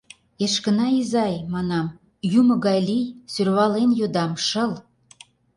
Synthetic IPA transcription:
eʃkə̆nɑizɑjmɑnɑm | jumə̆ɣɑjlijsyrβɑlenjod̪ɑmʃə̆l

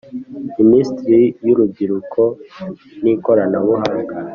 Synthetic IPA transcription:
imistɾijuɾubɡiɾukʰo | niko̞ɾanaβuɦaːŋɡa

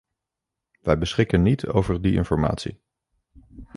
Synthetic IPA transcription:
ʋɛjbəsχɪkənitʰo̰wvəɹdiɪ̰nfɔɹma̰ːtsḭ

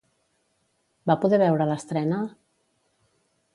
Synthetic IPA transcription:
bapuðɛβɛwɾələst̪ɾɛnə

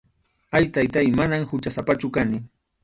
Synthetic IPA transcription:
ajt̪ajt̪ajmanamhʊt͡ʃasapat͡ʃʊkanɪ

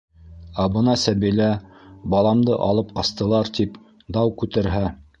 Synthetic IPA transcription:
æbɤnɑsæβilæbɑlˠɑmd̪ɤʔɑlˠɤp̚qɑst̪ɤ̆lˠɑɾt̪ip | d̪ɑwkʉt̪ɘ̆ɾɦæ

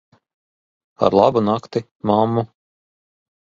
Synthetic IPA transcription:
a̰ɾlˠabunakt̪i | mamːu

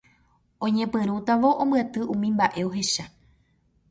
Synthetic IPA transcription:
õɲẽpɨ̃ɾ̃ũt̪aʋo̞ʔõmbɨat̪ɨʔũmĩmbaʔe̞o̞ɦe̞ʃa

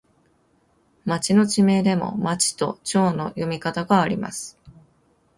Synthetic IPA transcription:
mat͡ɕino̞t͡ɕime̞d̪e̞mo̞̰mat͡ɕi̥t̪o̞̰t͡ɕo̞ːno̞jo̞mʲikat̪aɡaːɾʲḭma̰sɨ̥

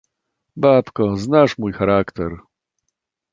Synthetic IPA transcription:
bapkɔznaʂmujxaɾakt̪ɛɾ

